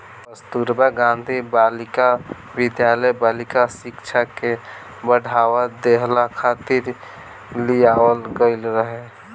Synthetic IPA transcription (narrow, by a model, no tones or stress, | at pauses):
əst̪uɾbaɡãnd̪ʱibalika | wɪd̪jaləjbalikasikt͡ʃʰake | bəɽ̤ʱawad̪eɦlakʰat̪ɪɾ | lijawəlɡəɪlɾəɦɛ